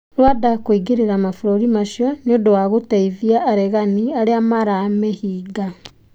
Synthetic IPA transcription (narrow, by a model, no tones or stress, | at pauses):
ɾwadakwiɡeɾeɾamafuɾoɾimaʃjɔneodowaɣotɛiðiaʔːɾɛɣaniaɾeamaɾamɛhiːɡa